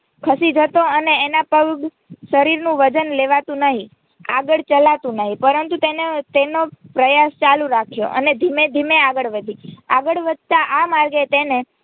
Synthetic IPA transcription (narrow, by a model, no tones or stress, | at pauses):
kʰəsid͡ʒʱət̪oəneːnapəɡɡ | ʃəɾiɾnũʋəd͡ʒənleʋat̪ũnəɦĩ | a̰ɡəɭt͡ʃəlat̪ũnəɦĩpəɾənt̪ut̪enet̪enopɾəjast͡ʃalũɾakʰjo̰ʔə̰ned̪ʱimed̪ʱimeaɡəɭʋəd̪ʱiaɡəɭʋəd̪̚ʱt̪aʔamaɾɡet̪ene